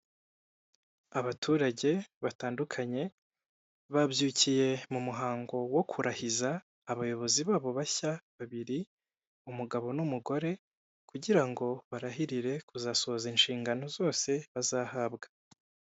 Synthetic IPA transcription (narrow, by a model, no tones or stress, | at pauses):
aβatʰuːɾaɟe̞βataːndukʰaɲe̞ | βabjuːcije̞mumuɦaːŋɡo̞wo̞kʰuɾahizaː | βajo̞βo̞ziβaːβo̞βaçaβaβiɾi | umuɡaβo̞numuɡo̞ɾe̞ | kuɟiɾaŋɡo̞βaɾaɦiɾiɾe̞kuzaːso̞zinʃiːŋɡano̞zo̞ːse̞βazaːhabɡḁ